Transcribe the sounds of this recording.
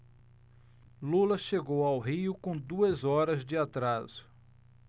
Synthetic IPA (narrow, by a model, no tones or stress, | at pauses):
lulɐʃeɡowawɦiʊkõd̪uɐzɔɾɐzd͡ʒɪat̪ɾaz̥ʊ̥